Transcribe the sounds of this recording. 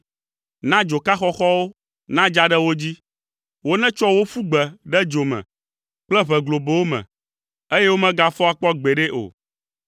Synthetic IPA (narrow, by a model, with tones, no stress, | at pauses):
nã˦d͡ʒo˨ka˦xɔ˦xɔ˦wo˦ | nã˦d͡ʒa˦ɖɛ˦wo˦d͡ʑi˦ | wo˦nɛ̃˦t͡ʃɔ˦wo˦fu˦ɡ͡bɛ˨ɖɛ˦d͡ʒo˨mɛ̰̃˨ | k͡plɛ˦βɛ˨ɡlo˨be˨wo˦mɛ̰̃˨ | e˦jɛ˦wo˦mɛ̃˦ɡa˨fɔ˦a˨k͡pɔ˦ɡ͡be˨ɖɛ˦ʔo̰˨